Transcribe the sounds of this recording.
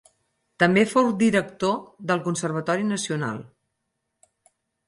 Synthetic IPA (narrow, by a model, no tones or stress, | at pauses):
t̪əmbefowd̪iɾək̚t̪oðəlˠkunsərβ̞ət̪ɔɾinəsiuna̰lˠ